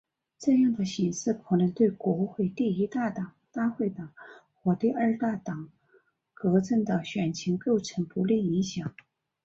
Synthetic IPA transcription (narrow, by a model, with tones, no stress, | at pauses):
ʈ͡ʂɤ˥˧jɑ˥˩ŋd̪ə˩ɕi˧˥ŋʂɹ̩˥˩kʰɤ˨˩nə˧˥nt̪we˥˩ɪkwɔ˧˥xwe˥˩ɪt̪i˥˩i˧˥t̪a˥˩t̪ɑ˨˩˦ŋt̪a˥˧xwe˥˩ɪt̪ɑ˨˩˦ŋ | xwɔ˧˥t̪i˥˧ə˞˥˧t̪a˥˩t̪ɑ˨˩˦ŋ | kɤ˧˥ʈ͡ʂə˥˩ŋd̪ə˩ɕɥɛ˨˩nt͡ɕʰi˧˥ŋko˥˩ʊʈ͡ʂʰə˧˥ŋpu˧˥li˥˩i˧˥ŋɕjɑ˨˩˦ŋ